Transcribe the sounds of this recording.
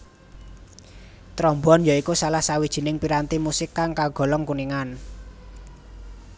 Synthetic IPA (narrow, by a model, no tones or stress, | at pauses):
t̪ɾɔmbuɔnjaikusalahsawid̥ʒ̥i̤nɪŋpiɾant̪imusɪkːaŋkaɡ̥ɔ̤lɔŋkuniŋan